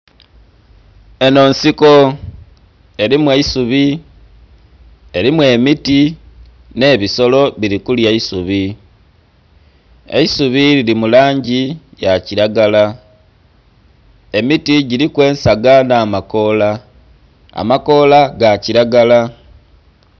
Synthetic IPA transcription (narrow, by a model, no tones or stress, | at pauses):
e̞no̞ːnsiko̞ | e̞ɾimweisuβi | e̞ɾimwe̞ːmiti | ne̞ːβiso̞lo̞βiɾikuljaisuβi | e̞̰isuβililimulaːɲɟijaciɾaɡala | e̞mitiɟiɾikwe̞ːnsaɡanaːmako̞la | a̰mako̞laɡaciɾaɡala